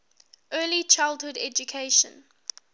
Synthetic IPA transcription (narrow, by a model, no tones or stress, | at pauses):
ʔɜːlit͡ʃʰaɪlˠdhʊdɛd͡ʒukʰeɪʃə̰̃n